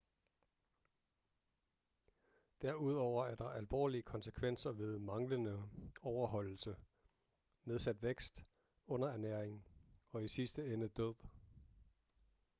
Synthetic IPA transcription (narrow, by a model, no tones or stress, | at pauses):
d̥æɐ̰uð̞̰ˠɒʊ̰ɐæɐd̥ɑ̈ʔælʋɒ̰ːliəkʰɒ̽nsəkʰʋen̰sɐʋe̝ð̞ˠmɑ̈ŋlənəɒʊɐɦɒ̽l̰l̩sə | me̝ð̞ˠsæd̥ʋeɡ̥sd̥ | ɔ̽n̰ɐæɐnæɐ̰eŋɒ̽isisd̥əenəd̥øð̰ˠ